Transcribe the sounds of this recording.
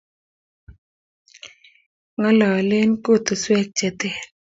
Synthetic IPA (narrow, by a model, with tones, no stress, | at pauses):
ŋa˦la˨lɪ˦nko˦˨t̪o˨swɛ˦k̚t͡ʃɛ˨t̪ɛ˦˨